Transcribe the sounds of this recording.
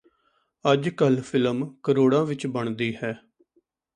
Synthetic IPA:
əd͡ʒkəlpʰɪləmkəɾoːɽãːʋɪt͡ʃbəɳd̪iːhɛː

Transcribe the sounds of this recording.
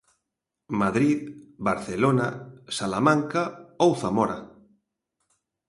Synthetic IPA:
maðɾiðbaɾθelonasalamãŋkaowθamɔɾa̰

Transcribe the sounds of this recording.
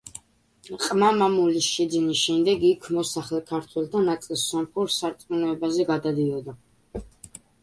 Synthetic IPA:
qʼmamamulisʃɛd̪zinisʃɛmd̪ɛɡikʰmɔsaχlɛkʰaɾt̪ʰwɛlˠd̪ʰanat̪sʼilˠssɔmχuɾsaɾt̪sʼmunɛɛbazɛɡad̪ad̪iɔd̪a

